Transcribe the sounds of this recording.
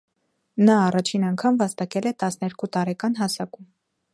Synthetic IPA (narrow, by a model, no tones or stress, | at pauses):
nɑːrɑt͡ʃʰinɑŋkʰɑmvɑst̪ɑkɛlɛt̪ɑsnɛɾkut̪ɑɾɛkɑn̪ɦɑsɑkum